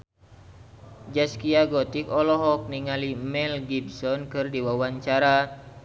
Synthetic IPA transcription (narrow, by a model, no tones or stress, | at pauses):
d͡ʒaskiaɡɔt̪ikɔlɔɦɔk̚niŋalimɛlɡibsɔnkɨrdiwawaɲt͡ʃaɾa